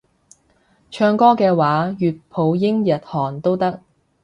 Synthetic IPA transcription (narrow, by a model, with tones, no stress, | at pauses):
t͡ʃʰœː˧ŋkɔː˥kɛː˧waː˨˥jyː˨t̚pʰo˨˧wjɪ˥ŋjɐ˨t̚hɔː˨˩ŋt̪o˥wt̪ɐ˥k̚